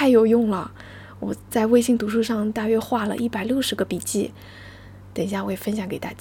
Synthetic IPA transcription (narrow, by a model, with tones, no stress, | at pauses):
a˥˩ɪjo˨˩ʊjʊ˥˩ŋlə˩ | wɔ̰˨˩t͡sa˥˧ɪwe˥˧ɪɕi˥˩ŋt̪u˧˥ʂu˥˧ʂɑ˥˧ŋt̪a˥˩ɥɛ˥xwa˥˩lə̰˨ʔi˥˩pa˨˩ɪljo˥˩ʊʂɻ̩˧˥ɡə˧pi˨˩t͡ɕi˥˩ | t̪ə˨˩ŋɕja˥˩wɔ˧˥jɛ˨˩fə˥nɕjɑ˧˥ŋke˨˩ɪt̪a̰˥˩t͡ɕ